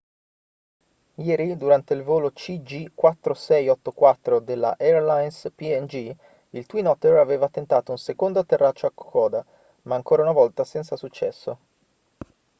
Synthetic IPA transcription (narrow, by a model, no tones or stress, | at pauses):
jɛːɾid̪uɾant̪eilvoːlot͡ʃid͡ʒikwat̪ːɾosɛjɔt̪ːokwat̪ːɾod̪elːa̰ʔɛrlajnspiɛnd͡ʒi | ilt̪winɔt̪eraveːvat̪ent̪aːt̪ounsekond̪at̪erːat͡ʃːoakːo̥kɔːd̪a | maːŋkoːɾaunavɔlt̪asɛnt̪sasut͡ʃːɛsːo